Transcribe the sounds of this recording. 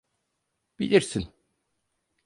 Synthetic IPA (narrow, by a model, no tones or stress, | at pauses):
b̥ḭlʲiɾsin